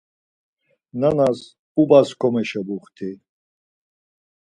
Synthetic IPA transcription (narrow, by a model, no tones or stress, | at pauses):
nanas | ubaskʰɔmɛʃɛbuχt̪ʰi